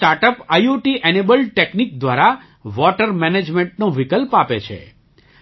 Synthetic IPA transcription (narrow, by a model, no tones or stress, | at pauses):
ʈaɾʈəpajuʈiʔɛnebəlʈeknik̚d̪ʋaɾa | ʋɔʈəɾmɛned͡ʒmẽɳʈnoʋikəlpapḛt͡ʃʰḛ